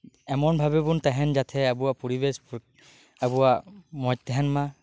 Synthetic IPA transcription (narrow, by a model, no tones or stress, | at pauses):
ɛmɔnbʱabɛbuntɛɦɛnzat̪ʰɛabuwapɔɹibɛsp | abuwamɔj̚tɛɦɛnma